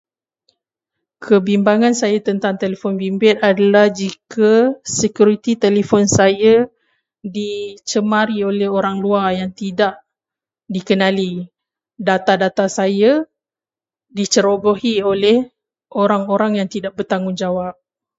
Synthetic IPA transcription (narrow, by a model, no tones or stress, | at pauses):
kʰəbimbaŋãnsajat̪ənt̪aŋt̪elefɔnbimbɪt̪adalahd͡ʒikʰasəkjuɾit̪it̪elefɔnsaja | dit͡ʃəmãɾiolɛhoɾaŋluajaŋt̪idaʔ | dikənãli | dat̪adat̪asaja | dit͡ʃəɾobohiolɛh | oɾaŋoɾaŋjaŋt̪idaʔ̚bərt̪aŋʊnd͡ʒawap̚